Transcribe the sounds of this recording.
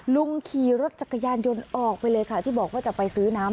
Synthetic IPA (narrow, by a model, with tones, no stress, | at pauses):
lu˧ŋkʰiː˨˩ɾa˦˥t̪̚t͡ɕʰa˨˩kʰːa˧jaː˧njo˧nʔɔː˨˩k̚pa˧jlɤː˧jkʰa˥˩t̪ʰiː˥˩bɔː˨˩k̚waː˥˩t͡ɕa˨˩pa˧jsɯː˦˥naː˦˥m